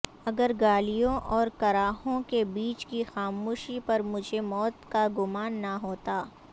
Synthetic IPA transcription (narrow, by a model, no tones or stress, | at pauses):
ɐɡəɾɡaːlijõʔɔːɾkɐɾaːɦõkebiːt͡ʃkixaːmuːʃipɐɾmʊd͡ʒʱemɔːt̪kaɡʊmaːnːɐɦoːt̪aː